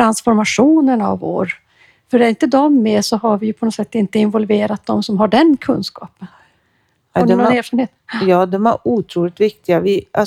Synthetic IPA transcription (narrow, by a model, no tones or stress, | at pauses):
ɾansfɔɾmaʂuːnəna̰vo̰ːɾ | fœɾæɾɪnt̪əd̪ɔmːeːsɔɦaɾvɪjɵpʰɔnɔsɛt̪ːɪnt̪əɪnvɔlveːɾat̪̚d̪ɔmsɔmɦaɖɛnkʰɵnskɑ̰ːpən | ɔd̪ɛɔneːɾfɑɾɳneːt̪jɑːd̪ɔmæɾuːt̪ʰɾuːlɪt̪vɪkt̪ɪɡavɪʔa